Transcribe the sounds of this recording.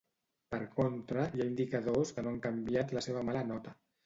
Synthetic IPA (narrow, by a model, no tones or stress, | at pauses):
pəɾkont̪ɾəjaind̪ikəðoskənoaŋkambiat̪ləseβ̞əmalənɔt̪ə